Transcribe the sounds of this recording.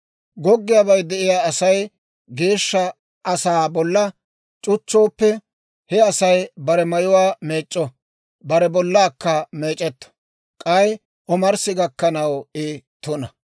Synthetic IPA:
ɡɔɡːɪjabɐjd̪ɛʔɪjaːɐsɐj | ɡe̞ːʃːɐ | ʔɐsaːbɔlːɐ | t͡ʃʼʊt͡ʃːo̞ːpːɛ | hɛɐsɐjbɐɾɛmɐjʊwaːmeːt͡ʃʼːɔ | bɐɾɛbɔlːaːkːɐmeːt͡ʃʼɛt̪ːɔ̥ | kʼɐj | ɔmɐɾsɪɡɐkːɐnɐwɪt̪ʊnɐ

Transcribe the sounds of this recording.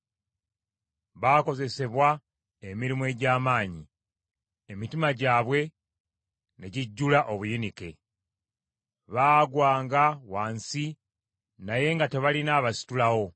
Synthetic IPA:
βaːko̞ze̞se̞βwa | e̞miɾimue̞ːɟaːmaːɲi | e̞mitimaɟaːβwe̞ | ne̞ɟiɟːulaʔo̞βujinike̞̰ | βaːɡwaːŋɡawaːnsi | naje̞ŋɡate̞βalinaːβasi̥tulaho̞

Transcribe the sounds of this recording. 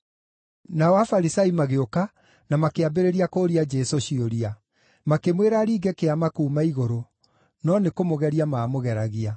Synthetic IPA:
naɔwafaɾisaimaɣeoka | namakeabeɾeɾiakoːɾiad͡ʒɛsoɕioɾia | makemweɾaɾiːɡɛkeamakuːmaiɣoɾo | nɔnekomoɣɛɾiamaːmoɣɛɾaɣia

